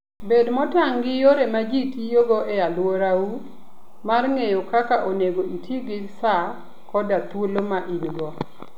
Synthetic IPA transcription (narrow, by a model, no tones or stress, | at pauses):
bedmɔtaŋɡɪjoɾemad͡ʒitijoɡɔʔealwoɾawu | marŋejokakaʔoneɡoitʰiɡɪsa | kɔdat̪ulomaʔinɡɔ